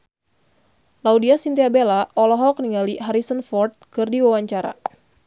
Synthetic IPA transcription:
laudiasint̪iabelaʔɔlɔɦɔk̚niŋaliɦaɾisənfɔrt̪̚kɨrdiwawaɲt͡ʃaɾa̰

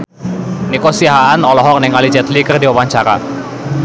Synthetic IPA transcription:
nikosiaɦaanɔlɔɦɔk̚nɛŋalid͡ʒɛt̪likərdiɔwaɲt͡ʃaɾa̰

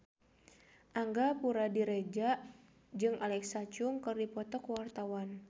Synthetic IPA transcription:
ʔaŋɡapuɾadiɾɛd͡ʒaʔ | d͡ʒɨŋalɛksat͡ʃʊŋkɨrdipɔt̪ɔkwart̪awan

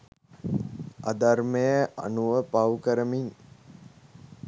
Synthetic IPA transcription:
ad̪armejəʔa̰nuʋəpawkəɾəmiŋ

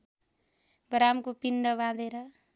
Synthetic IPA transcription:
ɡɾamkopinɖʌbãd̪eɾʌ

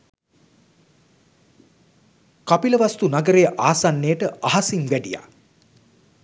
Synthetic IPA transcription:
kapiləʋast̪unaɡəɾejəʔaːsanːejəʈəaɦasiŋʋæɖija̰

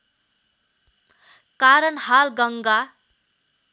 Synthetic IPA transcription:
kaɾʌnhalɡʌŋɡa

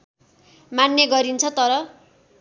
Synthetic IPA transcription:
manjʌɡʌɾint͡sʰʌt̪ʌɾʌ

